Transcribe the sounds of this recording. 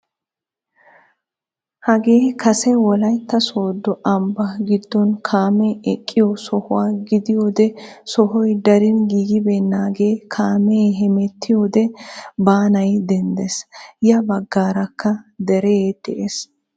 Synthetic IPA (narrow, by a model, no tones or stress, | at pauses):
hɐɡeːkʰɐsɛwɔlɐjt̪ːɐsoːd̪ːɔʔɐmbɐɡɪd̪ːɔnkʰaːmɛɛkʼːɪjɔsɔhʊwaːɡɪd̪ɪjoːd̪ɛsɔhɔjd̪ɐɾɪnɡiːɡɪbenːaːɡeːkʰaːmɛjɦɛmɛt̪ːɪjoːd̪ɛbaːnɐjd̪ɛnd̪ɛsjɐbɐɡːaːɾɐkːɐd̪ɛɾɛd̪ɛʔes